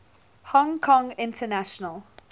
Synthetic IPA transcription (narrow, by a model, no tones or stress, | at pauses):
hɔ̃ŋkʰɔ̃ŋɪ̃ntʰənaʃənəlˠ